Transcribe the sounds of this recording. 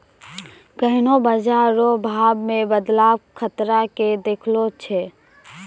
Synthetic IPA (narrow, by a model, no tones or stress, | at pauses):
ɡəɦnobəd͡ʒaːɾobʱaːbmẽbəd̪laːʋkʰət̪ɾaked̪eːkʰlot͡ʃʰeː